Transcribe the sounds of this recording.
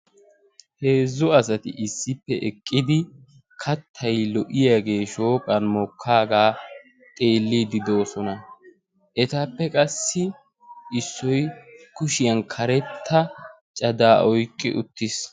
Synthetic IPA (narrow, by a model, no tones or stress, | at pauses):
he̞ːzːʊɐsɐt̪ɪʔɪsːɪpːɛʔɛkʼːɪd̪ɪ | kʰɐt̪ʰːɐjlɔʔɪjaːɡe̞ːʃo̞ːkʼɐnmɔkʰːaːɡaː | t̪ʼe̞ːlːiːd̪ɪd̪o̞ːsɔnɐ | ʔɛt̪ɐpːɛkʼɐsːɪ | ʔɪsːɔjkʊʃɪjɐnkʰɐɾɛt̪ʰːɐ | t͡ʃʼɐd̪aːʔɔjkʼːɪ̰ʔʊ̰t̪ːɪs